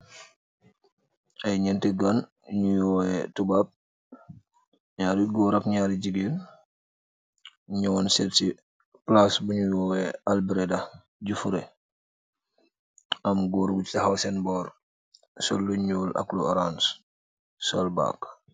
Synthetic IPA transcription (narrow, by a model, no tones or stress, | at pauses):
ajɲɛntɛɡan | ɲujɔːɛtubaːb̚ | ɲaːɾiɡɔɾakɲaːɾiɟiɡen | ɲuwɔnseɾti | plasbuɲujɔːɛalbɾeda | ɟufuɾe | ʔamɡoɾɡuttiɦawsɛnbɔːɾ | solːuɲuːla̰kluɾans | solba̰ːk